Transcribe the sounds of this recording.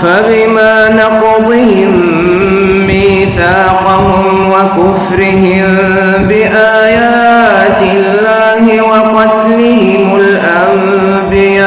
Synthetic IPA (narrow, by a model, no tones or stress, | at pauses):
fabɪmaːnɑq | d̪ˤɨhɪmː | ɪ | θaːqɑhʊm | wakʊfɾɪɦɪm | bɪʔaːjaː | t̪ɪlːaːhɪwɑqɑt̪lɪhɪmʊlʔam | bɪjaː